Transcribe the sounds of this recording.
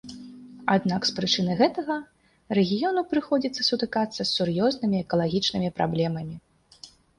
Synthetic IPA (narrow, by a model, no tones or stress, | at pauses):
ad̪nakspɾɨt͡ʂɨnɨɣɛt̪ɐɣɐ | ɾɛɣʲijɔnupɾɨxɔd͡zʲit̪sːɐ̥sut̪ɨkat̪sːɐsʲːurjɔznɨmʲiɛkɐlˠaɣʲit͡ʂnɨmʲipɾʔa̰blʲɛmɐmʲi